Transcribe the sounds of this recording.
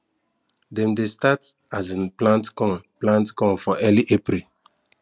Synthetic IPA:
dɛ̃mdestat | azĩnplãntkɔ̃nplãntkɔ̃nfɔʔɛliʔepɾil

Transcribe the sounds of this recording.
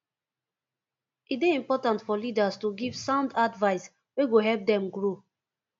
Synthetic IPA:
it̚beĩmpɔtãntfɔlidastuɡiv̥sãʊ̃ndadvaɪs | weɡoɦɛlp̚dɛ̃mɡɹo

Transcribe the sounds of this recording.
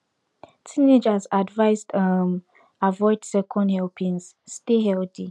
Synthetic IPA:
tʰĩned͡ʒazadvaɪsdam | avɔɪdsɛkʰɔ̃ndhɛlpʰĩns | steɦɛlti

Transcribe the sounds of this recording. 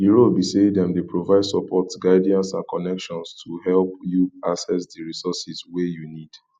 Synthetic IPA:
diɹobisedɛ̃mdepɹovaɪdsɔpʰɔtɡaɪdiãnsã̰nkɔnɛkʃɔ̃nstʰuɦɛlpjuasɛsdiɹisɔsiswejunid

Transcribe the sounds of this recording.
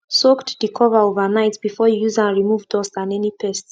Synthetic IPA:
soktdikʰɔvə˞ovənaɪtb̥ifɔjujuzãnɹimuvdɔstãnɛnipʰɛst

